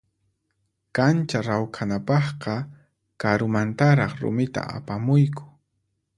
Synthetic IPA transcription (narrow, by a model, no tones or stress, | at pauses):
kant͡ʃaɾawkʰanapɑχqɑ | kaɾʊmant̪aɾɑχɾʊ̰mɪt̪a̰a̰pamʊjkʊ̥